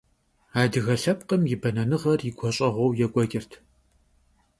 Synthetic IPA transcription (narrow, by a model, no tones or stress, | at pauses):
aːdɨɣɐɬɐpqəmjɪbɐnɐnɨʁɐrɪɡʷʰɔɕʼɐʁʷɔwjɛkʷʼɔɡʲʼɪrtʰ